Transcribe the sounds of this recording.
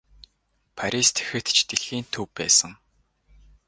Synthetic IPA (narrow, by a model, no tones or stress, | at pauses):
pʰaɾʲist̪ʰe̥xɘ̆t̪t͡ɕʰt̪eɮiːnt̪ʰɵwpːæ̰ːsə̆ŋ